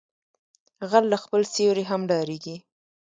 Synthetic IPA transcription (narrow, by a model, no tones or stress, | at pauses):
ɣalːaxpəlsewɾeɦamɖɑɾeɡi